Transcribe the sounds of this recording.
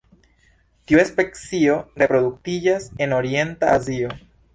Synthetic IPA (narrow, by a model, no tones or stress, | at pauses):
tiuespe̞kt͡sio̞ɾe̞pɾo̞d̪uk̚tid͡ʒase̞no̞ɾie̞ntaazio̞